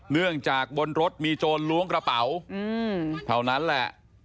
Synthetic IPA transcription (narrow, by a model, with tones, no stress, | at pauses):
nɯ˥˩əŋt͡ɕaː˨˩k̚bo˧nɾo˦˥t̪̚miː˧t͡ɕoː˧nlu˦˥əŋkɾa˧pa˩˦wɯː˧t̪ʰa˧˩wna˦˥nlɛ̰˨˩ʔ